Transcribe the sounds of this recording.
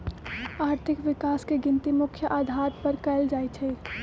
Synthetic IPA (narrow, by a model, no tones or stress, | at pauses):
aːɾt̪ʰɪkʋɪkaːskeɡɪ̃nt̪imʊkʰːjəʔaːd̪ʱaːt̪pɐɾkɛːld͡ʒaːit͡ʃʰeː